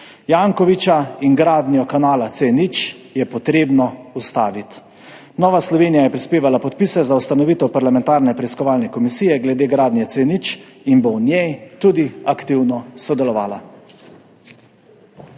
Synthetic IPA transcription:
jaːŋkɔʋit͡ʃaiŋɡɾaːd̪njɔkanaːlat̪senit͡ʃjɛpɔt̪ɾeːbnɔust̪a̰ːʋit̪ | nɔːʋaslɔʋeːnijajɛpɾispeːʋalapɔt̪piːsɛzaust̪anɔʋit̪ɛwpaɾlamɛ̃nt̪aːɾnɛpɾɛiskɔʋaːlnɛkɔmisiːjɛɡlɛd̪eːɡɾaːd̪nʲjɛt̪senit͡ʃinbɔnjɛjt̪ud̪iakt̪iwnɔsɔd̪ɛlɔʋaːla

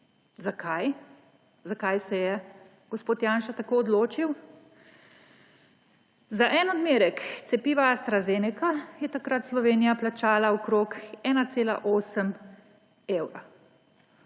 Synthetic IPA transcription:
zakʰaj | zakajsɛjɛ | ɡ̥ɔspoːt̪jaːnʃat̪akoːɔd̪loːt͡ʃiw | zaʔɛnɔd̪meːɾɛkt̪sɛpiːʋaːst̪ɾazenɛkajɛt̪akɾat̪slɔʋeːnijaplat͡ʃaːlaɔkɾoːkɛːnat̪seːla̰ʔoːsəm | ewɾa

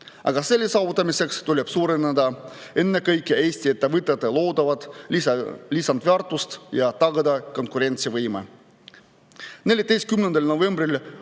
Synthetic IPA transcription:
ʔɑ̰ɡ̥ɑse̞lːisɑːvut̪ːˑɑmise̞kst̪ulʲeb̥suːɾened̪ɑe̞nːekɤjkːˑeeːsʲt̪iet̪ːævɯt̪ːˑet̪ːˑelo̞ːd̪̥ɑvɑd̪̥ | lisɑnd̪veɑrt̪ːˑust̪jɑt̪ɑɡɑd̪ɑko̞nkuɾe̞nʲt̪sivɤjmḛ | ne̞lʲjɑt̪e̞jst̪̚kymnend̪elno̞ve̞mbril

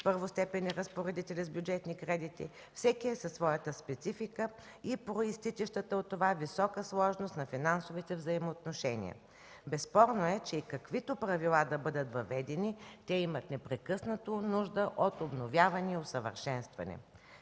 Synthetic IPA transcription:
pɤɾvost̪ɛpɛnʲɛɾɐspoɾɛd̪it̪ɛlʲizbjud͡ʒɛt̪nikɾɛd̪it̪ḭ | fsɛkiɛsɐsvɔjət̪əspɛt̪sifikə | ipɾoist̪it͡ʃɛʃt̪ət̪əot̪ːovavisɔkəslˠɔʒnost̪nɐfinansovit̪ɛvzɐimoːt̪noʃɛnḭə̰ | bɛsːpɔɾnoɛt͡ʃɛikɐkvit̪opɾɐvilˠad̪ɐbɤd̪ət̪vɐvɛd̪ɛnit̪ɛimət̪nɛpɾɛkɤsnət̪onuʒd̪əʔot̪obnovʲjavɐniɛosəvə̰ɾʃɛnst̪vɐ̰nɛ̰

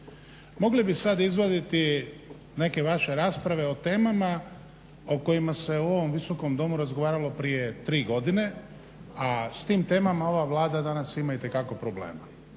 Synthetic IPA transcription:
mo̞ɡlibisad̪izʋod̪it̪i | ne̞ke̞ʋaʃeɾaːspɾaʋe̞o̞t̪e̞ːmama | oko̞jimase̞uo̞ʋo̞mʋiso̞ko̞md̪o̞muɾazɡo̞ʋaːɾalo̞pɾije̞t̪ɾiːɡo̞d̪ine̞ | ast̪iːmt̪e̞ːmamao̞ʋaʋlˠaːd̪ad̪anasimait̪e̞kako̞pɾoblḛːma

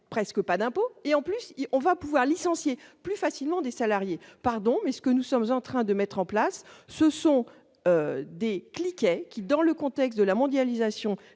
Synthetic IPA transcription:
pχɛskəpad̪ɛ̃poeɑ̃plysɔ̃vapuvwaʁlisɑ̃sjeplyfasilmɑ̃d̪esalaʁjepaʁd̪ɔ̃mɛsə̥kənusɔmzɑ̃t̪χɛ̃d̪əmɛt̪χɑ̃plasːəsɔ̃ | ød̪eklikɛkʲid̪ɑ̃ləkɔ̃t̪ɛkst̪̚d̪əlamɔ̃d̪jalizasjɔ̃

